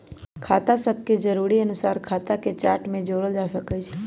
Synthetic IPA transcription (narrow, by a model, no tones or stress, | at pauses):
kʰaːt̪asɐb̚ked͡ʒɐɾuːɾiɐnʊsaːɾkʰaːt̪aket͡ʃaːɾʈmẽd͡ʒoːɾəld͡ʒaːsɐkəd͡ʒʰ